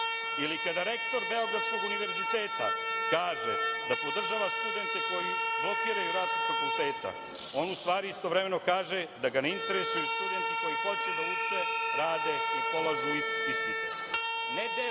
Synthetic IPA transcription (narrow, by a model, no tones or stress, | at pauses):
ilikad̪aɾe̞kt̪o̞ɾbe̞oɡɾad̪sko̞ɡuniʋe̞ɾzit̪eːt̪a̰kaːʒḛd̪apo̞d̪r̩ʒaʋast̪ud̪e̞nt̪eko̞jipo̞pjiɾajuɾaːziɡfakulˠt̪eːt̪a̰ | o̞nust̪ʋaːɾiist̪oʋɾe̞menokaːʒed̪aɡaneint̪e̞ɾesujeust̪ud̪e̞nt̪ekojipot͡ʃed̪ajuseɾaːd̪eipolazunist̪it̪u | ned̪e